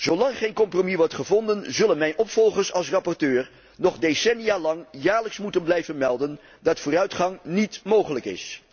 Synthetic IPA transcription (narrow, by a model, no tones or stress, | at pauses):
z̥owlɑŋχejnkɔmpromiʋɔɹtχəvɔndənzɵlənmɛjnʔɔpfɔlˠχəɹsɑlˠsrɑpɔɹtøːɹ | nɔχdejsɛniaːlɑŋjaːɹləksmutənblɛjvənmɛlˠdən | dɑtfʊːrœɥtχɑŋnitmowχələkɪ̰s